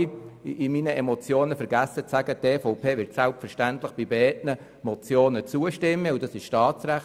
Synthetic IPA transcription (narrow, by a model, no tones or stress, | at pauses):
ʔiminəʔɛmɔt͡sjoːnəfɛɾɡæsːət͡sæɡəteːfɔʊpʰeːʋɪɾtsælpfɛʁʃtæntlɪχb̥ibeɛːtnə | mɔt͡sjoːnət͡suəʃtɪmːəudɑsɪʃʃtɑːt͡sɾæχ